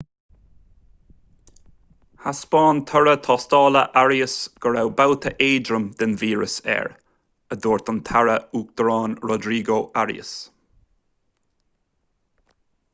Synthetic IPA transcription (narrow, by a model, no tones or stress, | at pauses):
haspɑːnt̪ʰɔɹət̪ʰɑːst̪ɑːləʔaɹjəsɡ̥əɹawbawt̪ʰəʔeːdɾəmd̪̥ɪnviːɹə̰sɛ̰ɹ | əd̪oːɹt̪ant̪ʰaɹəuːk̚d̪̥əɾɑːnɹɔd̪ɾiːɡoːʔaɹḭə̰s